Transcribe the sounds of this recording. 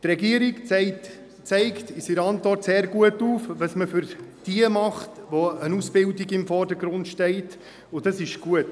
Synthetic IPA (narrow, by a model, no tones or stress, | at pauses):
t̪rɛɡiəɾikɛt | t͡sɛɪktɪsiɾɑntvɔrtseːɾɡuətuːfʋɑsməfʏɾd̥iəmɑχtʋoənuːsb̥ɪldiɡɪmfɔrdəɡɾʊntʃtɛɪt | ʊd̥ɑsɪʃɡ̥uət